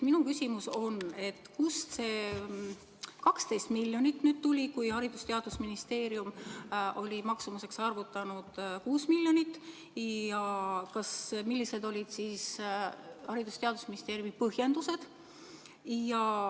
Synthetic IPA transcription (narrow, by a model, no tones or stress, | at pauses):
minukysʲimuso̞ne̞t̪ːˑkust̪se̞ː | kɑkst̪e̞jst̪miljo̞nit̪ːnyːd̪̥̚t̪ulʲikujhɑɾid̪̥ust̪eɑd̪̥usminist̪eːɾjumʔo̞lʲimɑksumuse̞ksɑrvut̪ːˑɑnud̪̥kuːsmilʲːjo̞nit̪ːˑ | jɑkɑsmilːised̪o̞lʲid̪̥siːs | hɑɾid̪̥ust̪eɑd̪̥usminist̪e̞ːɾjumipɤhje̞nd̪use̞d̪̥ | jɑ